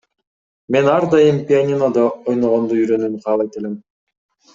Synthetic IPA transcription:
me̞nɑɾd̪ɑjɯmpʲianʲinod̪ɑojnoʁond̪uyɾø̞nymqʰɑːlˠɑjt̪elem

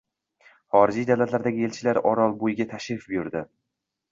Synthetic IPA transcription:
χɒɾɪd͡ʒijd̪awlat̪laɾd̪aɡʲɪe̞lt͡ʃʰɪlaɾɒɾɒlˠbojɪɡʲat̪ʰaʃɾɪfbjʊɾd̪ɪ

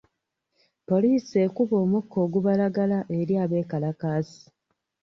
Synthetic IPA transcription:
po̞liːsie̞kuβo̞ːmukːo̞ːɡuβalaɡalaʔe̞ɾjaːβe̞ːkalakaːsi̥

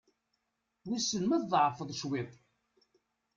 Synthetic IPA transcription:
wisəlməððˤʕfəðˤʃwɪðˤ

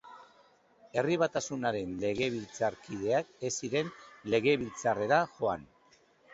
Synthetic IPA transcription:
e̞riβ̞at̪asunaɾe̞nle̞ɣe̞β̞ilt͡saɾkið̞e̞ake̞siɾe̞nle̞ɣ̞e̞βilt͡sare̞ɾaʝo̞a̰n

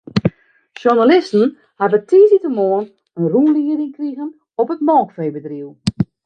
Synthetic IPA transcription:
ʃunalɪstn̩ | habətʰiːzitəmoən | ənruːnliərɪŋkriɣən | ɔpətmɔːkfeːbədriw

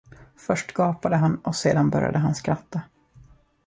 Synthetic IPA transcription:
fœʂʈɡ̥ɑːpad̪əɦanːʔɔseːd̪anbœ̰ɾja̰d̪əɦanskɾat̪ːa

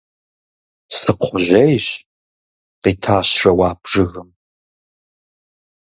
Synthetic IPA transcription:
sʼɨqʷʰʊʑejɕ | qiːtʰaːɕrɐwɑːpʐ̥ɨɣɨm

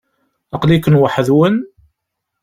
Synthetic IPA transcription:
əqlikənwəħðwən

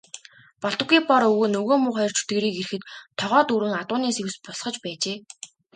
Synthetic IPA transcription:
pɔɬt̪ɞ̆ɡiːpɔɾɵɣoːnɵɣoːmʊːχɔjɞr̥t͡ɕʰu̥t̪ɡeːɾiːkeɾɘ̆xɘ̆t̪ʰːɔʁɔːt̪uɾɘ̆ŋat̪ʊːniːsew̆spɔsχɞ̆t͡ɕpæːt͡ɕeː

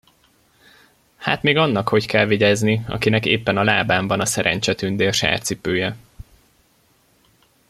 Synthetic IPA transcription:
haːt̪meːɡɒnːɒkho̞ckɛlviɟɛzniɒ̰kinɛkḛːpːɛnɒlaːbaːmbɒnɒsɛɾɛ̰ɲt͡ʃɛt̪ynd̪eːɒʃa̰ːrt̪sipøːjɛ

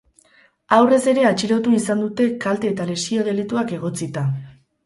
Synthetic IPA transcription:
awre̞se̞ɾe̞at͡ʃiɾo̞t̪uisand̪ut̪e̞kalt̪e̞ːt̪ale̞sio̞ð̞e̞lit̪uake̞ɣ̞o̞t͡sit̪a

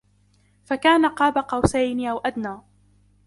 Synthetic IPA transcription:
fakaːnaqɑːbaqɑwsajnʔawʔad̪naː

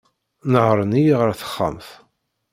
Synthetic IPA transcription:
nəʕɾˤənijʁəɾθə̥χːa̰mθ

